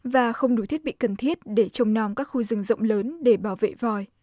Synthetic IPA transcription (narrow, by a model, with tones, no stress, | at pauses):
vaː˨˩xə˧wŋ͡mɗu˨˧˩t̪ʰi˦˥ət̚ɓḭ˧˨kə˨˩nt̪ʰi˦˥ət̚ɗe˧˩t͡ɕə˨˩wŋ͡mnɔ˨˩ŋ͡mkaː˦˥k̚xu˧zɨ˨˩ŋzə̰˧˨wŋ͡mləː˨˦nɗe˧˩ɓaː˧˩wvḛ˧˨vɔ˨˩j